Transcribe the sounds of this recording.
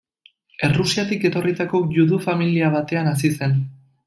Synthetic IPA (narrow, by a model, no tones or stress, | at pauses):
e̞rusiat̪ike̞t̪o̞rit̪ako̞ʝuðufamiliaβ̞at̪e̞anas̬ise̞n